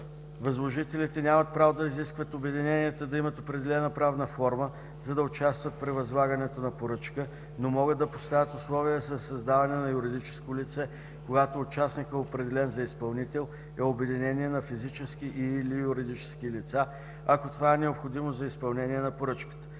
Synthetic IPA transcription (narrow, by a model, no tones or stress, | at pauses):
vɐzlˠoʒit̪ɛlit̪ɛnʲamət̪̚pɾavod̪ɐiziskvət̪obɛd̪inɛniət̪əd̪ɐimət̪opɾɛd̪ɛlɛnəpɾavnəfɔɾmə | zɐd̪ɐʊt͡ʃast̪vət̪̚pɾɛvɐzlˠaɡɐnɛt̪onɐpoɾɤt͡ʃkə | nomɔɣəd̪ɐpo̥st̪avʲət̪ʊslˠɔviəsɐsɐzd̪avɐnɛnɐjʊɾid̪it͡ʃɛ̥skolit̪sɛ | koɡat̪oːt͡ʃasnikɛopɾɛd̪ɛlɛnzɐispɐlˠnit̪ɛlˠ | ɛobɛd̪inɛniɛnɐfizit͡ʃɛskiʔilijʊɾid̪it͡ʃɛ̥skilit̪sa | ɐkot̪ovaɛnɛopxod̪imozɐispɐlˠnɛnʲiɛnɐpoɾɤt͡ʃkə̥t̪ə̥